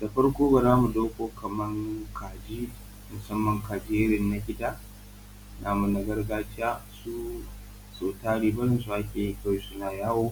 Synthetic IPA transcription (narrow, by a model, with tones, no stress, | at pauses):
d̥a˨ɸɐ˦ɽkʷoː˦ba˨zaː˦mu˨doː˦kʷoː˦kʰɐ˨mɐ˦ŋkʰaː˨d͡ʒi˦ | mʊ˨sɐ˦mːɐ˨ŋkaː˨d͡ʒɪ˦jɐ˦ɾɪ˨nːa˨kʲɪ˦taː˦ | naː˨mu˨na˨ɡɐ˦rɡaː˦t͡ʃɪ˦jaː˦su˦ | soː˨taː˦ɽiː˨bɐ˦ɾɪ˦˨nsu˨ʔa˦kʲeː˨i˦ka˦wi˨˦sʊ˦naː˨jaː˦woː˦